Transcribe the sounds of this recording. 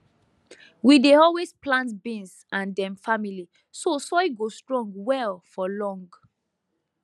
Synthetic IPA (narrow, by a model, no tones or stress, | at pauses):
wideɔlwesplãntbĩns | ãndɛ̃mfamili | sosɔjɡostɹɔ̃ŋɡwɛlfɔlɔ̃ŋɡ